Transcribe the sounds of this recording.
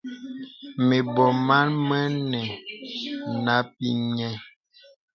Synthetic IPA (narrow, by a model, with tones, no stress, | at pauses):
me˨bɔ˨ma˦nmə˦nɛ˨ | na˦p̚i˦ɲɛ˦